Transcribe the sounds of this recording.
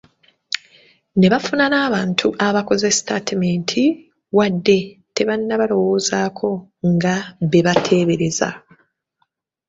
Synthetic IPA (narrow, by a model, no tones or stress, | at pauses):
ne̞βafunanaːβaːntʰuʔaβako̞zestatimeːntʰi | wadːe̞te̞βanːaβalo̞wo̞ːzaːkʰo̞ŋɡaβe̞βatʰe̞ːβeɾe̞za̰